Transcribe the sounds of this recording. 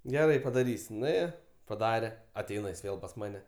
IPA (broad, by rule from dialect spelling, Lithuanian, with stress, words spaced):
ɡʲɛˈrɐɪ pɐdɐˈrʲiːsʲ nʊˈeːjoː pɐˈdɑːrʲɛ ɐˈtʲɛɪnɐ jɪs ˈʋʲeːlˠ pɐs ˈmɑːnʲɛ